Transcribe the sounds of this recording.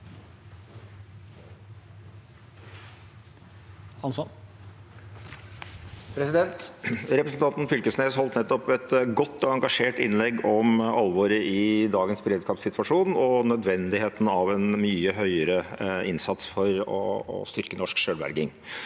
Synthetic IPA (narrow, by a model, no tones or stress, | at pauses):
ɑn | pɾɛsɪd̪ɛnt̪ɾɛpɾəsn̩t̪ɑnt̪n̩fʏlkəsneːshɔlt̪nɛt̪ːɔpɛt̪ɡɔt̪ːɔɑŋɡɑʂeːʈɪnlɛɡːɔmʔɑlʋoːɾəʔɪd̪ɑːɡənsbəɾeːd̪skɑːpsɪt̪ʋɑʂuːnɔnœd̪ʋɛnd̪ɪheːt̪n̩ɑʋɛnmyːəɦœʏəɾəɪnsɑt̪sfɔɾɔ̰ɔ̰st̪ʏɾkənɔʂkʂøːlʋæ̰ɾɡɪŋ